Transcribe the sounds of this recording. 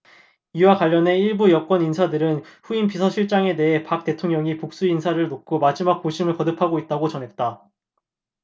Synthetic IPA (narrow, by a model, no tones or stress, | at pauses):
iwakwaʎːʌne̞iɭbujʌk͈wʌninsʰadɯɾɯnɸuinpisʰʌɕʰiɭt͡ɕ͈aŋe̞de̞ɦe̞pak̚t͈e̞tʰoŋɲʌŋipok̚s͈uinsʰaɾɯɭnok͈ʰomad͡ʑimak̚k͈oɕʰimɯɭpʌdɯpʰaɡoit̚t͈aɡot͡ɕʌnɦe̞t̚t͈a